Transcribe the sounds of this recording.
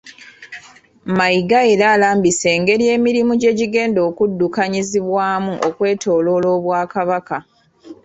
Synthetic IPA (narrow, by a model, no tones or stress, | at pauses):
maiɡaeɾaːlaːmbise̞ːŋɡe̞ɾje̞ːmiɾimuɟe̞ːɟiɡe̞ːndo̞ːkudːukaɲiziβwaːmuʔokwe̞ːtʰo̞ːlo̞lo̞ːβwaːkaβaka